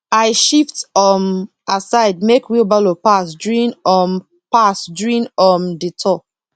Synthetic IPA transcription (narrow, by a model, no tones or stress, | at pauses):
aɪʃiftɔm | asaɪd̚mekwiobalopasduĩnɔm | pasduɹĩnɔmditʰɔ